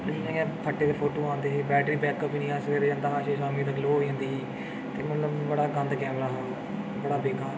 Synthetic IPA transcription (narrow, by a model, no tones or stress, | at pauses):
nãːɡãːpʰəʈːeːd̪əpʰoːʈoːãːnd̪eːbɛːʈɾiːbɛːkəpinĩːaːsʋeːɾd͡ʒãːnd̪aːaːʃeːʃaːmiːd̪aːɡloːoːiːɦãːnd̪iː | t̪eːmət̪ləbbəɽaːɡə̃nd̪kãːbəɽaː | bəɽaːbeːkaːɾ